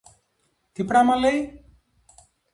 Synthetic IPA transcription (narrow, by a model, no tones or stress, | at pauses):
t̪ipɽamãlej